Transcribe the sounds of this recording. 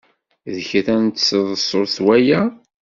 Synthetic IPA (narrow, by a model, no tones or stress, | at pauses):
ðəçɾænt̪səðˤəsˤoɾθwæjæ